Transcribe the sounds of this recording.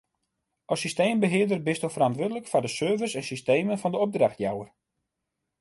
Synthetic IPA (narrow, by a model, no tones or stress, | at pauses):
ɔsisteːmbəɦɪədərbɪstofərantʋʊːdələkfɔrdəsøːvəsɛnsisteːmənfɔndəɔp̚draxtjawər